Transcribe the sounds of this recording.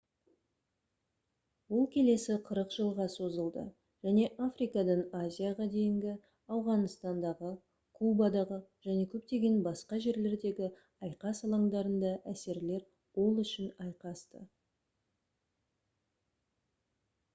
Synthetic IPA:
wʊlˠkʲʰe̞le̞sɪqʰəɾəqʒ̥əlˠʁɑso̞zəlˠd̪ə̰ | ʒ̥æne̞ʔafrijkɑd̪ɑɴazʲijaʁɑd̪e̞jɪŋɡʲɪ | ɑwʁɑnəst̪ɑnd̪ɑʁə | kʰubɑd̪ɑʁəʒ̥æne̞kʲʰɵp̚t̪e̞ɡʲe̞nbɑsqɑʒe̞ɾle̞ɾd̪e̞ɡʲɪ | ɑjqɑsɑlˠɑŋd̪ɑɾənd̪ɑʔæse̞ɾle̞ɾ | wo̞lˠʏʃɪnɑjqɑst̪ə

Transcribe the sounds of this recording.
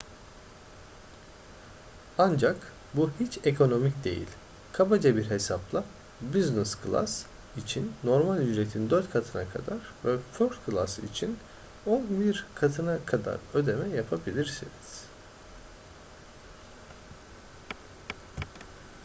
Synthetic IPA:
and͡ʒak | buhit͡ʃʰekʰo̞no̞micd̪e̞̰jḭlʲ | kʰabad͡ʒabiɾɦe̞saplˠa | biznɛskʰɯlˠa̰s | it͡ʃʰinːo̞ɾmalʲyd͡ʒɾet̪ʰind̪øɾt̪kʰat̪ʰɯnakʰa̰d̪aɾvɛføɾt̪kʰɯlˠa̰sḭt͡ʃʰin | onbiɾkʰat̪ʰɯnakʰad̪a̰ɾø̞d̪e̞mɛjapʰabilʲiɾsiniz̥

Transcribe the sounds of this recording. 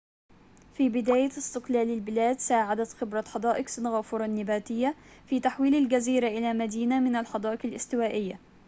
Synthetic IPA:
fiːbɪd̪aːjaɪst̪ɪqlaːlalbɪlaːd̪saːʕad̪at̪xɪbɾˤɑħɑd̪ˤɑːʔɪqsɪnɣaːfʊɾˤɑnːɪbaːt̪ɪjːa | fiːt̪aħwiːlald͡ʒaziːɾaʔɪlamad̪iːnamɪnalħɑd̪ˤɑːʔɪqalʔɪst̪ɪwaːʔɪjːa̰

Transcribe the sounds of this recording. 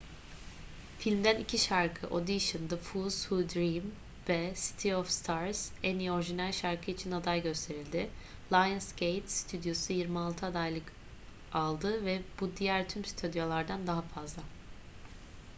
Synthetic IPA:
filʲmd̪ænicʰiʃaɾkʰɯʔo̞d̪iʃɯnd̪ɯfuzhud̪ɾim | vɛsi̥t̪ʰiɔfst̪ʰaɾz̥ænio̞ɾʒinælʲʃaɾkʰɯit͡ʃʰinad̪ajɟø̞st̪ʰe̞ɾilʲd̪ɪlˠajɯnsɟejt̪si̥t̪ʰyd̪ijo̞sujiɾmialˠt̪ʰɯad̪ajlˠɯk | alˠd̪ɯvɛbud̪ijæɾt̪ʰymsi̥t̪ʰod̪jolˠaɾd̪and̪aɦafazlˠa

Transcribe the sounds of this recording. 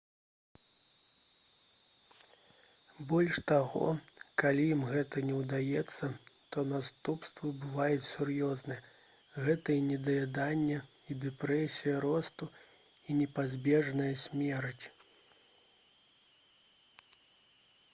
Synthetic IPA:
bɔlʲʂt̪aɣɔ̰kalʲijimɣɛt̪ɐnʲɛwd̪ajɛt̪sːɐt̪ɔnast̪upst̪vɐbɨvajɛt͡sʲsʲurjɔznɐjɐ | ɣɛt̪ɐinʲɛd̪ɐjʲad̪anʲːɛ | id̪ɛpɾɛsʲijɐɾɔst̪u | inʲɛpazʲbʲɛʐnɐjɐsʲmʲɛɾɐt͡sʲ

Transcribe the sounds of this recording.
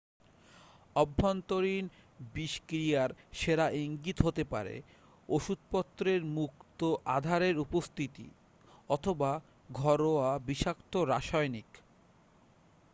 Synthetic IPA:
ɔbʱːont̪oɾin | biʃkɾijaɾʃeɾaʔiŋɡit̪ɦot̪epa̰ɾḛ | oʃud̪̚pɔt̪ːɾeɾmukt̪oʔad̪ʱaɾeɾupost̪ʰit̪ḭ | ɔt̪ʰoba | ɡʱɔɾoabiʃakt̪oɾaʃɔjnik

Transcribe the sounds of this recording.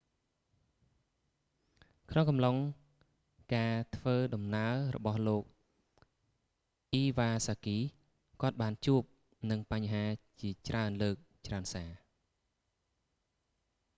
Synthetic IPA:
kʰnoŋkɑmloŋ | kaːt̪ʰʋəːɗɑmnaərɔ̰ɓɑhloːk̚ | ʔiːʋaːsaːkiː | kŏət̪̚ɓaːnt͡ɕuəp̚ | nɨŋpaɲɦaːt͡ɕiət͡ɕraənləːk̚ | t͡ɕraənsaː

